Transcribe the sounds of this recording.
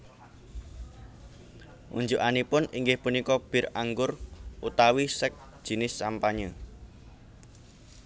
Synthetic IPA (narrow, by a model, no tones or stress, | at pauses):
ʔṵɲd͡ʒuʔanipʊniŋɡɪhpunikɔb̥ɪ̤raŋɡʊrʔut̪awisək̚d̥ʒ̥i̤nɪsːampaɲə